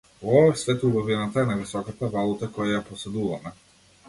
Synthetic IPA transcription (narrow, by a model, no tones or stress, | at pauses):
ɔvafsvɛt̪ubavinat̪aɛnavisɔkat̪avalˠut̪akɔjajapɔsɛd̪uvamɛ